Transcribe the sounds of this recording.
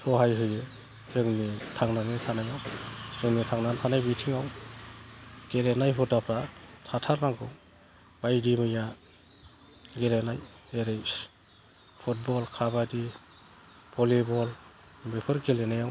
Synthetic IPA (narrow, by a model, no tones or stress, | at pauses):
sʰɔɦajɦɯje | sɯŋnitʰaŋnanetʰanajawsɯŋnitʰaŋnantʰanajbitʰiŋaw | ɡ̥elenajpʰɔtapʰɾatʰatʰaɾnaŋɡʰɯw | b̥ajdimɯja | ɡelenaj | eɾejs | pʰut̚bɔlkʰabadi | pɔlibɔl | bepʰɯɾɡelenajaw